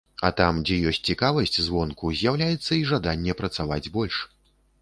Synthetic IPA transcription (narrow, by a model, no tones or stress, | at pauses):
ɐ̰t̪amd͡zʲɛjɔsʲt͡sʲt͡sʲikavɐsʲt͡sʲzvɔnkuzʲjawlʲajɛt̪sːɐiʐad̪anʲːɛpɾɐt̪savad͡zʲbɔlʲʂ